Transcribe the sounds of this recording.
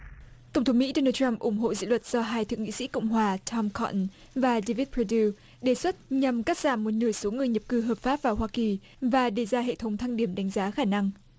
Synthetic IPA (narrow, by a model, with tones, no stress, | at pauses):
t̪ə˧˩wŋ͡mt̪ʰə˨˦mḭ˧˥ɗo˧naː˧t͡ɕa˧mʔʊ˧˩ŋ͡mɦo̰˧˨zḭ˧˥lwə˨˩t̚z̥ɔ˧ɦaː˧jt̪ʰɨ˧əŋḭ˧˥sḭ˧˥ko̰˧˨wŋ͡mɦwaː˨˩t͡ɕʰɔ˧mkʰɔ˧ʔn | vaː˨˩ɗe˧vi˦˥t̚pʰɹo˧di˧ | ɗe˨˩swə˦˥t̚ɲa˨˩mkaː˦˥k̚z̥aː˧˩mmo˨˩t̚nɨ˧˩əjso˨˦ŋɨ˨˩əjɲə˨˩p̚kɨ˧˩ɦəː˨˩p̚faː˦˥p̚vaː˨˩ɦwaː˧ki˨˩ | vaː˨˩ɗe˧˩zaː˧ɦḛ˧˨t̪ʰə˨˦ŋ͡mt̪ʰa˧ŋɗi˧˩əmɗa˨˦jŋ̟zaː˨˦xaː˧˩na˧ŋ